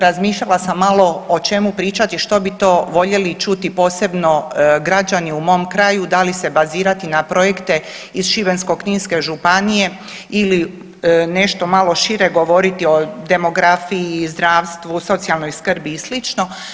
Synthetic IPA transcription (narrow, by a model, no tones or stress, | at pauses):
ɾazmiːʃʎalasamːalˠo̞ot͡ʃe̞mupɾiːt͡ʃat̪iʃt̪o̞bit̪o̞ːʋo̞ʎe̞lit͡ʃut̪ipo̞ːse̞bno̞ɡɾad͡ʑaniumo̞ːmkɾaːjud̪alise̞baziːɾat̪inapɾo̞je̞kt̪e̞ | izʃibe̞nsko̞kniːnske̞ʒupanije̞ | ili | ne̞ʃt̪o̞malˠo̞ʃiɾe̞ɡo̞ʋo̞ɾit̪io̞d̪e̞mo̞ɡɾafiiːzd̪ɾaːʋst̪ʋuso̞t̪sialˠno̞jskr̩bislit͡ʃno̞